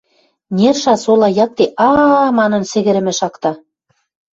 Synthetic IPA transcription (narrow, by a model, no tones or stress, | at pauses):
nʲerʃɑsolɑjɑk̚t̪eʔɑmɑnɤ̆nsɘ̆ɣɘ̆ɾɘ̆mɘ̆ʃɑkt̪ɑ